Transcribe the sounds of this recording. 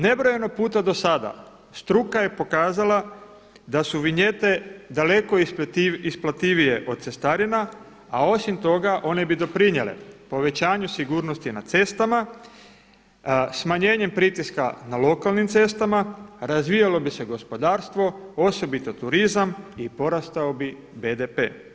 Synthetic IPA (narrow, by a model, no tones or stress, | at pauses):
ne̞bɾo̞je̞no̞puːt̪ad̪o̞sad̪a̰ | st̪ɾukaje̞po̞kaːzala | d̪asuʋiɲe̞t̪e̞d̪ale̞ko̞isplat̪iʋije̞ʔo̞d̪̚se̞st̪aɾina | ao̞simt̪o̞ɡaʔo̞ne̞bid̪o̞pɾiɲelḛpo̞ʋe̞t͡ɕaːɲusiɡuːɾno̞st̪ina̰t̪se̞st̪ama | smaɲe̞ːɲe̞mpɾit̪iskanalo̞kalˠnimt̪se̞st̪amaɾazʋijalo̞bise̞ɡo̞spo̞d̪aːɾst̪ʋo̞o̞so̞bit̪ot̪uɾizamipo̞ɾast̪aobi | bed̪e̞pe̞̰ː